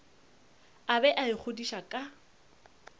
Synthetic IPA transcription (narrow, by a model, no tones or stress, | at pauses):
abɛʔaɪk͡xʰʊdiʃakʼa